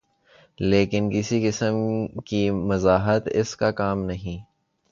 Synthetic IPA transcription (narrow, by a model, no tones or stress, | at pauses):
leːkɪnkɪsikɪsəmkimɐzaːɦət̪ɪ̰skakaːmnɐɦĩː